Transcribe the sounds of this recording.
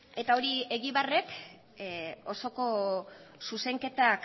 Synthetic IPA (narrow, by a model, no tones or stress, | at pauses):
e̞t̪ao̞ɾie̞ɣiβare̞k | o̞soko̞suse̞ŋke̞t̪ak